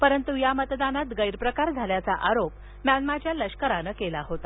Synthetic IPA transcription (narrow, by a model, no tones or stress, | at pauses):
pəɾənt̪ujamət̪d̪anat̪ɡəjɾpɾəkaɾd͡zʱaljat͡saʔaɾop | mjanmat͡ɕjaləɕkəɾanəkelaɦot̪a